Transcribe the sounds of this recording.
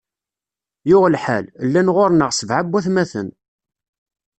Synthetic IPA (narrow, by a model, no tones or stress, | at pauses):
jʊʁlħællːænʁoɾnəʁsəvʕabːæθmæθə̰n